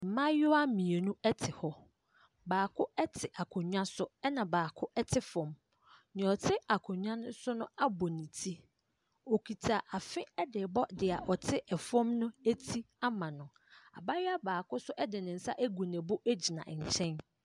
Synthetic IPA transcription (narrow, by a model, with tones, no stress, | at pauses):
m̩˨mã˦jʊ˦a˦mĩ˨e˨nũ˦ɛ˦tʰɪ˨hɔ˦ | baː˨kʰʊ˦ɛ˦tʰɪ˨ʔa˨kʰʊ̃˨ɲᶣã˦sʊ˦ɛ˦nã˨baː˨kʰʊ˦ʔɛ˦tʰɪ˦fɔ̃˨m | nɪ̃˨ɔ˨tʰɪ˦a˨kʰʊ̃˨ɲᶣã˦nʊ̃˦sʊ˦nʊ̃˦a˦bɔ˨nĩ˨tʰi˦ | o˨kʰi˨tʰa˨ʔa˨fɪ̃˦ɛ˦dɪ˨bɔ˦dɪ˨a˨ʔɔ˨tʰɪ˦ʔɛ˨fɔ̃˦mnʊ̃˦æ˦tʰi˦ | a˦mã˨nʊ̃˨ | a̰˨ba˦jɪ˦a˦baː˨kʊ˦sʊ˦ʔɛ˦dɪ˨nɪ̃˨n̩˨sa̰˦ʔæ˦ɡu˨nɛ̃˨bʊ˦ʔæ˦d͡ʑi˨nã̰˨ʔɲ̩˨t͡ɕʰɛ̃˦n